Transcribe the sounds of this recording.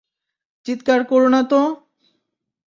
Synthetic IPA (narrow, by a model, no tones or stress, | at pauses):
t͡ɕit̪kaɾkoɾonat̪o